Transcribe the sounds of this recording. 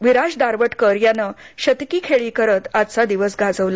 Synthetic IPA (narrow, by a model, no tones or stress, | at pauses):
ʋiɾad͡ʑd̪aɾʋəʈkəɾjanəɕət̪kiːkʰeɭiːkəɾət̪at̪t͡sad̪iʋəsɡad͡zəʋla